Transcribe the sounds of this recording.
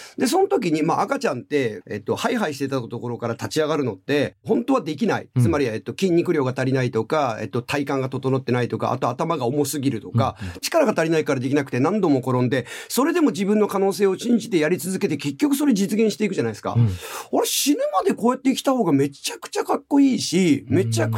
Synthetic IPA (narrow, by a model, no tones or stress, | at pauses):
d̪e̞s̬o̞not̪o̞k̬ʲiɲ̟imaʔakat͡ɕãnt̪e̞̰ːt̪ːo̞haiɦaiɕit̪et̪at̪oko̞ɾo̞kaɾat̪at͡ɕiaɡaɾɯ̟no̞t̪ːe̞ɦõ̞nt̪o̞βad̪e̞kʲinaḭt͡sɨmaɾʲiet̪ːo̞kʲĩɲ̟ːikɯ̟ɾʲo̞ːɡat̪aɾʲinait̪o̞kaḛt̪ːo̞t̪ʰaikãŋɡat̪o̞t̪onot̪ːe̞nait̪o̞ka̰ʔa̰t̪o̞at̪amaɡaomo̞sɨɡʲiɾɯ̟t̪o̞kat͡ɕi̥kaɾaɡat̪aɾʲinaikaɾad̪e̞kʲinakɯ̟̥t̪e̞nãnd̪o̞mo̞ko̞ɾõ̞nd̪e̞so̞ɾe̞d̪e̞mo̞d͡ʑibɯ̟̃nːo̞kano̞ːseːoɕĩɲ̟d͡ʑit̪e̞jaɾʲit͡sɨzɨke̞t̪e̞ke̞kʲːo̞kɯ̟̥so̞ɾed͡ʑit͡sɨɡẽɕi̥t̪eikɯ̟ʑanaisɨ̥ka̰oɾeɕinɯmad̪e̞ko̞ːjat̪ːeikʲi̥t̪aho̞ːɡame̞t͡ɕakɯ̟̥t͡ɕakakːo̞iːɕime̞t͡ɕḁ